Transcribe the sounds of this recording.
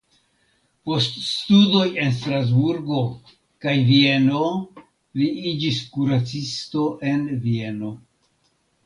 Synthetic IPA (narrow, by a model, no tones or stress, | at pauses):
po̞ststudo̞je̞ns̬tɾaz̬buɾɡo̞ | kajvie̞no̞ | liid͡ʒiskuɾat͡sisto̞ʔe̞nvie̞no̞